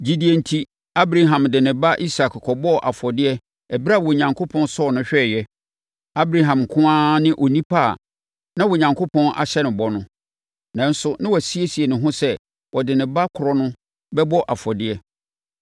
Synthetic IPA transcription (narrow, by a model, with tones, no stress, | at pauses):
d͡ʑi˨di˨e˨n̩˨tʰi˦ | a˦bɾa˦ɦã˨mdɪ˨nɪ̃˨ba˦ʔi˦sa˨kkʰɔ˨bɔ˦˨ʔa˨fɔ˨dɪ˦ɛ˦ | ɛ˨bi˦ɾa˦˨wɔ˨ɲã˨ŋkʰo˦pʰɔ̃˦nsɔ˦˨nʊ̃˦ɕᶣɛ˦˨jɛ˦ | a˦bɾa˦˨ɦã˨m˨kʰʊ̃˦ãː˦nɪ̃˦ʔo˨nĩ˦pʰa˦˨ | nã˦wɔ˨ɲã˨ŋkʰo˦pʰɔ̃˦nʔa̰˨ɕɛ˦nɪ̃˨bɔ˦nʊ̃˦ | nã˨n̩˦sʊ˦nɪ̃˦wɔ˨si˦e˦si˨e˨nʊ̃˨ɦʊ̃˦sɛ˦ | wɔ˨dɪ˨nɪ̃˨ba˦kʰʊ˨ɾɔ˦nʊ̃˦ | bɛ˦bɔ˦ʔa˨fɔ˨dɪ˦ɛ˦